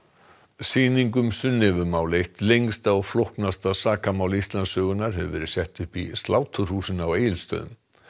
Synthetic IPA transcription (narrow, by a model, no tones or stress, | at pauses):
siːniŋkʏmsʏnːɪvʏmaːwlejht̪lejŋst̪aɔɣflohknast̪asaːkamaːwlist̪lansœːɣʏnaɾ̥ɦɛ̰ʏvɛːɾɪ̥sjɛht̪ʏhpḭst̪laːwt̪ʰʏr̥huːsɪnaweːjɪlst̪œ̰ːðʏ̰m